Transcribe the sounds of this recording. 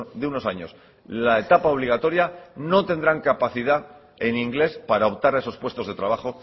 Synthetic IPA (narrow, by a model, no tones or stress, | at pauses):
d̪euno̞saɲo̞̰s | lae̞t̪apaoβliɣ̞at̪o̞ɾjano̞t̪e̞nd̪ɾaŋkapaθið̞a | e̞niŋɡle̞spaɾaopt̪aɾaeso̞spwe̞st̪o̞zðe̞t̪ɾaβ̞aχo̞